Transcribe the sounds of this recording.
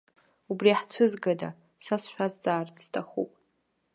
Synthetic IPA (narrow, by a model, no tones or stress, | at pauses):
ubriħt͡sʷʰɨzɡada̰ | sasʃᶣazd͡zaːrt͡sʰʼstʰaχṵpʼ